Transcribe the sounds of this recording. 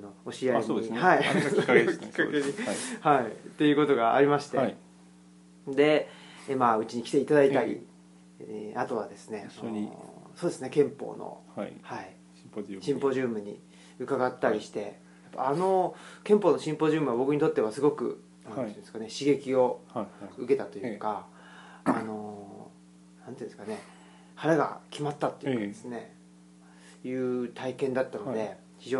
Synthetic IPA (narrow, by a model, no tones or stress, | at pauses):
ano̞oɕiaihai | kʲi̥kːaeɲihait̪e̞jɯ̟ːko̞t̪o̞ɡa̰ːɾʲimaɕi̥t̪e̞ | d̪e̞maɯ̟t͡ɕiɲ̟ikʲi̥t̪e̞it̪ad̪ait̪aɾʲḭ | at̪o̞βad̪e̞sɨne̞nso̞ːd̪e̞sɨnekẽ̞mpo̞̰ːno̰hai | ɕĩmpo̞ʑɨːmɯ̟ɲ̟ḭ | ɯ̟kaɡat̪ːaɾʲiɕi̥t̪e̞ | japːa̰ano̞kẽ̞mpoːno̞ɕĩmpo̞ʑɨːmɯ̟βabo̞kɯ̟ɲ̟it̪o̞t̪ːeβasɨɡo̞kɯ̟̰ | nãnoĩnd̪eɨ̥kane̞ɕiɡe̞kʲio̞ | ɯ̟ke̞t̪at̪o̞jɯ̟ːka̰ː | no̞ | nãnt̪oĩnsɨ̥kane̞ | haɾaɡa̰kʲimat̪ːat̪ːo̞jḭkadd̪esɨne̞ | jɯ̟ːt̪aikẽ̞nd̪at̪ːano̞d̪e̞ | çiʑo̞ː